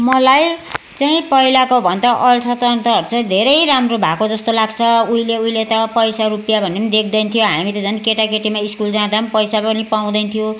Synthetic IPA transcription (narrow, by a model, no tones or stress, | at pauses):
mʌlaj | t͡saĩpʌɦilakobʱʌnd̪ʌʔʌlt̪ʰʌt̪ʌnt̪ʌʌɾt͡sʰʌd̪ʱeɾʌjɾamrobʱakod͡zʌst̪olaɡt͡sʰʌujleujlet̪ʌpʌjsaɾupjabʱʌnːemd̪ek̚ʰd̪ʌnt̪ʰijoɦamit̪ʌd͡zʌnkeʈakeʈimaiskuld͡zãd̪ampʌjsapʌnipaw̃d̪ʌnt̪ʰijo